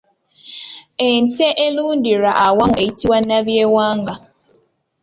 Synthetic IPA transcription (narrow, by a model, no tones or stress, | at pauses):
enteʔelundiɾaʔawaŋeitiwanaβjewaːŋɡa